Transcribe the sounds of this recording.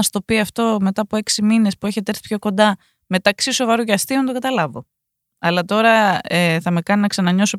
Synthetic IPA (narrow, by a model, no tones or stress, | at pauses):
st̪o̞ːpioɐft̪o̞me̞t̪ɐːpoe̞ksimine̞spue̞çet̪e̞ɾθi̥pço̞ko̞nd̪ɐ | me̞t̪ɐksiso̞vɐɾuʝɐst̪iont̪oɡɐt̪ɐlɐvo̞ | ɐlɐt̪o̞ɾɐeθɐme̞kɐninɐksɐnɐɲo̞so